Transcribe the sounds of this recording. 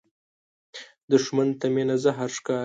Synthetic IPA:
d̪əʂmant̪amenazaɦaɾʂkɑː

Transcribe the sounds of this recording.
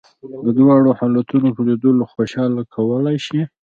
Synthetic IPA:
d̪əd̪wɑɽohɑlat̪unopəded̪oloxoʃɑlakʰawəlajʃi

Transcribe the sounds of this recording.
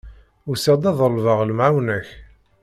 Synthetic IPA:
ʊsæd̪ˤɑðˤəlvɑʁlmʕawnæç

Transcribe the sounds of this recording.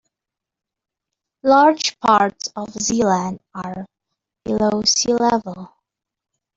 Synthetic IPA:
lɑɹd͡ʒpʰɑɹtsɔvzilə̃ndaɹ | b̥ɨloʊsilɛvəl̩ˠ

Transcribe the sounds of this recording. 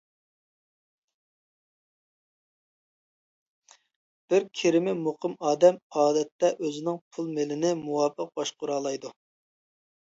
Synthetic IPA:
b̥ɪɾkʲʰeɾɪmɪmoqʰəmɑːd̪ɛmɑːd̪ɛt̪ːɛʔøzɪnɪŋpʰulˠmelɪnɪmuwɑːpəq̚bɑʃqʊɾɑːlˠɑjd̪u

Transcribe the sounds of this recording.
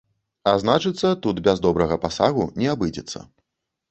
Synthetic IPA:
aznat͡ʂɨt̪sːɐt̪ut̪bʲazd̪ɔbɾɐɣɐpasaɣunʲɛabɨd͡zʲɛ̰t̪sːɐ̰

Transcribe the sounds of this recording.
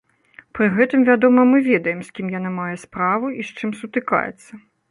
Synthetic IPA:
pɾɨɣɛt̪ɨmvʲad̪ɔmɐmɨvʲɛd̪ɐjɛmsʲkʲimjan̪amajɛspɾavuʔist͡ʂɨmsut̪ɨka̰jɛ̰t̪sːɐ

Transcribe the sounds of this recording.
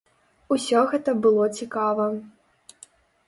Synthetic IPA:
usʲɔɣɛt̪ɐbɨlˠɔt͡sʲikavɐ

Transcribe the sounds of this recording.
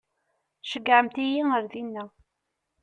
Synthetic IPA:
θʃəɡʕəmt̪ijiəɾðinːæ

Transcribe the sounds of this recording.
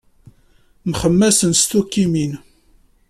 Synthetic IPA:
mχəmːæsənst̪ukːimin

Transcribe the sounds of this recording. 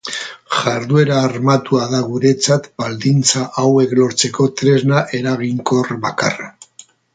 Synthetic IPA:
ʝaɾðue̞ɾaːɾmat̪uaðaɣuɾe̞t͡sat̪bald̪int͡saʔawe̞klo̞ɾt͡se̞ko̞t̪ɾe̞znaʔe̞ɾaɣiŋko̞rβaka̰ra

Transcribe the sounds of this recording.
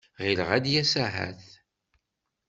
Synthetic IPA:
ʁilʁæd̪jæsæɦæ̰θ

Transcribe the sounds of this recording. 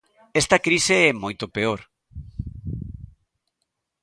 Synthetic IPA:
ɛst̪ɐkɾiseɛmojt̪opeoɾ

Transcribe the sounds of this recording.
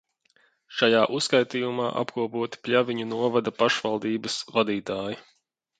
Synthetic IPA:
ʃajaːʔuskajt̪iːjumaːʔa̰pkuɔpuɔt̪i̥pʲlʲaviɲunuɔvad̪ɐpaʃvalˠd̪iːbɐsvad̪iːt̪aːji

